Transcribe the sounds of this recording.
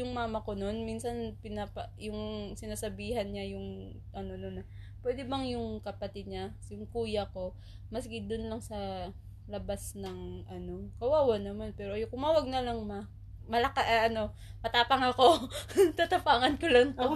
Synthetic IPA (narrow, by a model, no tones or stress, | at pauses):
jʊŋmaːmɐko̞no̞nminsɐnpɪnapɐjʊŋsɪnaːsɐbiːɦɐnɲajʊŋ | ʔɐno̞non | pwɛːd̪ɛbɐŋjʊŋkɐpɐt̪ɪd̪̚ɲajʊŋkuːjɐko̞ | mɐsɡɪd̪ʊnlɐŋsɐ | lɐbasnɐŋʔɐno̞kɐwaːwɐnɐmanpɛːɾojkʊmaːwɐɡ̚nɐlɐŋmɐ | mɐlɐkaʔʔɐno̞ | mɐt̪aːpɐŋɐko̞t̪at̪ɐpaːŋɐnkolɐŋpo